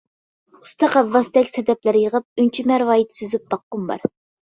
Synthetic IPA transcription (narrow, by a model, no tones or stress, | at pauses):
ust̪ʰɑqævːɑsd̪ɛkʲsʰɛd̪ɛplæɾjəʁəp̚ynt͡ʃʰimæɾwɑːjit̪syzyp̚b̥̪ɑqːʊmbɑ̰ɾ